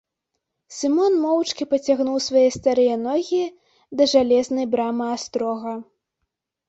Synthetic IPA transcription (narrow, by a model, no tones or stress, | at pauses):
sʲɨmɔnmɔwt͡ʂkʲipɐt͡sʲaɣnuwsvajɛst̪aɾɨjɐnɔɣʲi | d̪ɐʐalʲɛznɐjbɾamɨast̪ɾɔɣɐ